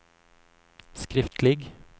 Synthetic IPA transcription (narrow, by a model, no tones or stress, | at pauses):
skɾɪft̪lɪɡ